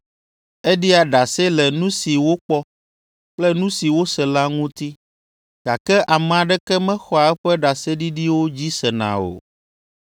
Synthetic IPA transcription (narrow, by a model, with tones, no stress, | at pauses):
ɛ˦ɖi˦a˨ɖa˨sɛ˦lɛ˨nũ˦si˨wo˦k͡pɔ˦ | k͡plɛ˦nũ˦si˨wo˦sɛ˨la˦ŋũ˦t̪i˦ | ɡ̥a˨kɛ˦ʔa˨mɛ̃˨a˨ɖɛ˦kɛ˦mɛ̃˦xɔ˦a˨ɛ˦ɸɛ˦ɖa˨sɛ˦ɖi˦ɖi˦wo˦d͡ʑi˦sɛ˨nã̰˨o̰˨